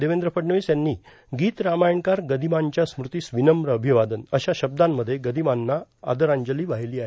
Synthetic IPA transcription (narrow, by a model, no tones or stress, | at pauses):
d̪eʋẽnd̪ɾəpəʈɳəʋiːsjanːiː | ɡiːt̪ɾamajəɳkaɾɡəd̪ʱimaɲt͡ɕjasmɾut̪iːsʋinəmɾəːbʱiʋad̪ənəɕaɕəb̚d̪amːəd̪ʱːjeɡəd̪ʱimanːaa̰d̪əɾaɲd͡ʑəliːʋaɦiliːaɦe